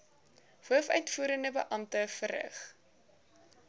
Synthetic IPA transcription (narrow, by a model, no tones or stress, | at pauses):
huəfœɥtfuːɾəndəbə̰ʔɐmtəfərɾə̰χ